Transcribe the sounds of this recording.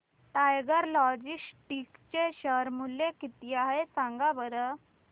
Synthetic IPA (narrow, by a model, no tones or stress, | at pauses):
ʈajɡəɾlɔd͡ʑisʈikt͡ɕeɕəɾmulːẽkit̪iaɦesãŋɡabəɾə